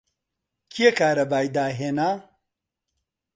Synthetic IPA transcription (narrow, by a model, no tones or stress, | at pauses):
kʰiekaːɾɐbaːjd̪aːɦenaː